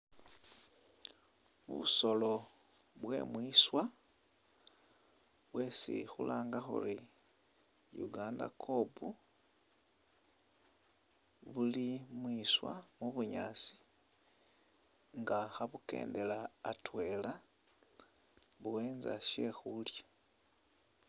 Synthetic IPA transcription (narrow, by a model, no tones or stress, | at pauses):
βṵso̞lo̞ | βwe̞̰mwiːswa | βwe̞sḭxulaːŋɡaxṵri | jṵɡaːnda̰kʰo̞bu | βulimwiːswa̰muβuɲaːt͡si̥ | ŋɡaxaβuke̞̰ːnde̞laːtwe̞ːla | βuweːnza̰ʃe̞xulja